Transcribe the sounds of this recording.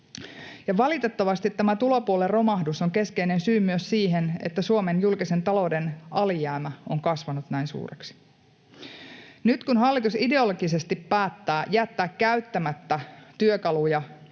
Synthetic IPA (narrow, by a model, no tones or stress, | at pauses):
jɑʋɑlit̪e̞t̪ːɑʋɑst̪it̪ːæmæt̪ulopuolerro̞mɑhdusoŋke̞ske̞ine̞nsyːmyøssiːɦenḛt̪ːæsuomenjulkise̞nt̪ɑlo̞wde̞nɑlijæːmæoŋkɑsʋɑnut̪næinsṵːrḛksi̥ | nyt̪kunɦɑlːit̪uside̞oloɡise̞st̪ippæːt̪ːæːjæt̪ːæːkkæyt̪ːæmæt̪ːæt̪yøkɑlujɑ